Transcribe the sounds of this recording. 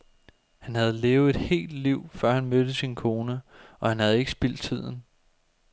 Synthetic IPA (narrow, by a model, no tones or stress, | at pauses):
hænhæð̞̩ˠle̝ːʊð̩ˠe̝d̥he̝̰ːld̥liʊ̰fɶɐ̰hænmød̥əsinkʰo̝ːnəɒ̽hænhæð̞̩ˠe̝ɡ̥ə̥sb̥il̰d̥̚t͡sʰið̞̰ˠn̩